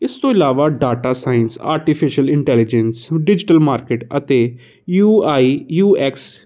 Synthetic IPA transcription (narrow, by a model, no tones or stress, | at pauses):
ɪst̪õːɪlaːʋaːɖaːʈaːsaːɪnsa̰ːɾʈipʰɪʃəlɪ̃ɳʈɛːlɪd͡ʒə̃nsɖɪd͡ʒɪʈəlmaːɾkeʈət̪eː | juːaːiːjuːɛːks